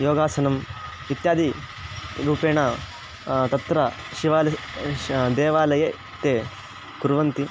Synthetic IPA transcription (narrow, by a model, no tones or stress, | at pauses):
joːɡaːsɐnɐm | it̪jaːd̪i | ɾuːpeːɳɐ | t̪ɐt̪ɾɐ | ʃiʋaːlɐ | d̪ɛːʋaːlɐjɐ | t̪ːeː | kuɾʋɐnt̪i